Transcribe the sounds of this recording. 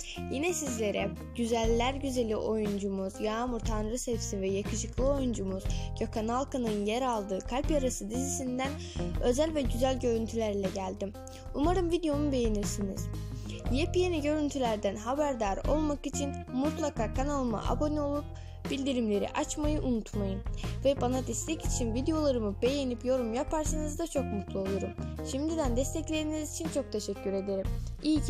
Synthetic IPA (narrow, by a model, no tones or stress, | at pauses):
jinɛsizlʲe̞ɾɛ | ɟyzælʲːæɾɟyze̞lʲiʔo̞jund͡ʒumuz̥jaːmuɾt̪ʰanɾɯsefsinvɛjakʰɯʃɯklˠɯɯo̞jund͡ʒumuz̥ɟakʰanalˠkʰanɯnjɛɾalˠd̪ɯːkʰalʲpjaɾasɯd̪izisind̪æn | ø̞zælʲvɛɟyzælʲɟø̞ɾynt̪ʰylʲæɾlʲɛɟælʲd̪im | umaɾɯmvid̪ejo̞nube̞jeniɾsinḭz̥jepijeniɟø̞ɾynt̪ʰylʲæɾd̪ænɦabæɾd̪aɾo̞̰lˠmakit͡ʃʰinmut̪lˠakʰaːkʰanalˠɯma̰ʔa̰bo̞nio̞lˠup̚ | bilʲd̪iɾimlʲe̞ɾḭʔat͡ʃmajɯʔunut̪ʰmajɯnvɛbanad̪ɛst̪ʲʰɛcit͡ʃʰinvid̪ejo̞lˠaɾɯmɯbe̞je̞nipjo̞ɾumjapʰaɾsanɯzd̪at͡ʃʰo̞kmut̪ʰlˠuo̞lˠuɾumʃimd̪id̪ænd̪ɛst̪ʰɛclʲe̞ɾinizit͡ʃʰint͡ʃʰo̞k̚t̪ʰe̞ʃɛcʰːyɾe̞d̪e̞ɾimiːc